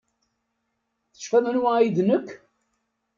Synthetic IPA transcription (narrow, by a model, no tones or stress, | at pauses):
θə̥ʃfæðənwajiðnəkː